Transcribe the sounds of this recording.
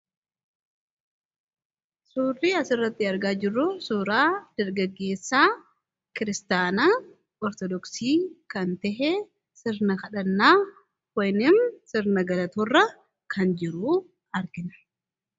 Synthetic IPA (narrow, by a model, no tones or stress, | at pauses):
suːrːiɐsɪrːɐt̪ːɪɐɾɡaːd͡ʒɪrːʊsuːɾaːd̪̥ɐɾɡɐɡːe̞ːsːaː | kɪɾɪst̪aːna | ɔɾt̪ɔd̪ɔksiːkɐnt̪ɛɦɛ | sɪɾnɐkɐᶑɐnːaː | wɔjnɪmsɪɾnɐɡɐlɐt̪ɔrːɐ | kʰɐnd͡ʒɪɾuː | ɐɾɡɪnɐ̥